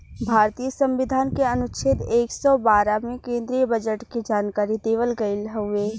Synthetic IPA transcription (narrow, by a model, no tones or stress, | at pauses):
bʱaːɾt̪ijəsə̃mʋɪd̪ʱaːnkeɐnʊt͡ʃʰɪt̪eːksɔbaːɾamẽkẽːnd̪ɾijəbəd͡ʒəʈkid͡ʒaːnkaːɾid̪eːʋəlɡəɪlɦʊeː